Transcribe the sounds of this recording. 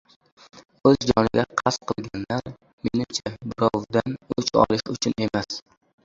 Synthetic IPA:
ɵzd͡ʒɒnɪɡʲaqʰɑsqʰɨlˠɡʲanlaɾ | me̞nɪmt͡ʃʰabʊɾɒwd̪anʊt͡ʃɒ̰lˠɪʃʊt͡ʃʰʊne̞mas

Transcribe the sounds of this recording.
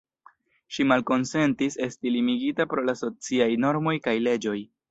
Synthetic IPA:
ʃimalko̞nse̞ntise̞stilimiɡitapɾo̞laso̞t͡siajno̞ɾmo̞jkajle̞d͡ʒo̞j

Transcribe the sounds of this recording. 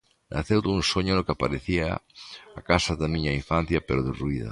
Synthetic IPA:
nʔa̰θewðounsoɲonokapaɾeθia̰akasaðamĩɲaiɱfan̟θjapeɾoðeruiða̰

